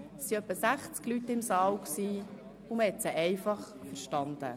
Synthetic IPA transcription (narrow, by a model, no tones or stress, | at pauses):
siœpːəsæχt͡sklytɪmsɑːlksiː | ʊmhɛt̪səʔɛɪfɑχfəɾʃtɑnd̪ə̰